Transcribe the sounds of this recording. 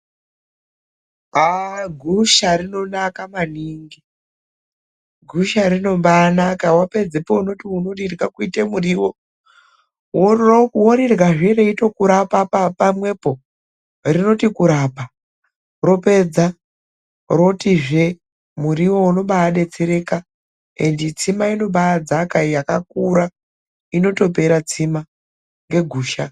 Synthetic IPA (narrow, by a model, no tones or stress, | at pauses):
aɡʱuʃarino̞nakamaniːŋɡi | ɡʱuʃarino̞mbaːnakawape̞d͡zepouno̞tiunorirɡakuitemuriwo̞ | wowoɾirɣaʐere̞ito̞kuɾapapapamwe̞po̞ | rino̞tikuɾapa | ro̞pe̞d͡za | ro̞tiʐe̞ | muriwo̞uno̞ɓaːɗe̞t͡seɾe̞ka | ḛndit͡simaino̞ɓaad͡zakajakakuɾa | ino̞to̞p̬e̞ɾat͡sima | ŋɡe̞ɡʱuːʃa